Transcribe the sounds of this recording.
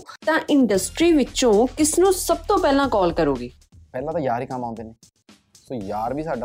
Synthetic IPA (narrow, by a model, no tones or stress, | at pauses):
t̪ãːʔɪɳɖəsʈɾiːʋɪt͡ʃõːkɪsnũːsəb̚t̪õːpɛːlãːkɔːlkəɾoːɡiː | pɛːlãːt̪ãːjaːɾiːkəmːãːnd̪eːneː | soːjaːɾbiːsaːɖa